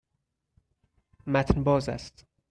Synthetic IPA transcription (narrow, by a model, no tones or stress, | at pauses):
mæt̪ʰnbɒːzæ̰st̪